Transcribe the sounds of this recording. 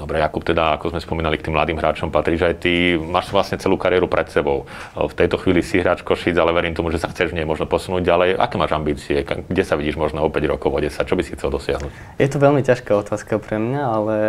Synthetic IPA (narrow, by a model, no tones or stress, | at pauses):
d̪ɔbɾɛjakupt̪ɛd̪aakɔzmɛspɔmiːnalikt̪iːmlad̪iːmɦɾaːt͡ʃɔmpat̪ɾiːʒajt̪imaːʃsaʋlasɲɛt͡sɛluːkaɾɪɛɾupɾʔɛt̪sɛbɔʊft̪ɛjt̪ɔxʋiːlisiɦɾaːt͡ʃkɔʃid͡zalɛʋɛɾiːmt̪ɔmuʒɛsaxt͡sɛʒmɲɛmɔʒnɔpɔsunuːɟɟalɛjʔa̰kɛːmaːʒambiːt͡siɛka̰ɡɟɛsaʋiɟiːʒmɔʒnɛɔpɛɟɾɔkɔʊɔɟɛsac̚t͡ʃɔbisixt͡sɛld̪ɔsɪaɦnuːc | jɛt̪ɔʋɛlmicaʃkaːɔt̪ʰaːskapɾɛmɲaalɛ